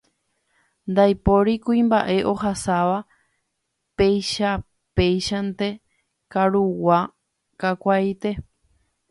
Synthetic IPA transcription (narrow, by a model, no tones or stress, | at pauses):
nd̪ajpo̞ɾikuĩmba̰ʔe̞ʔo̞ɦasaʋa | pe̞jʃa | pe̞jʃant̪e̞ | kaɾuwa | kakʷajt̪e̞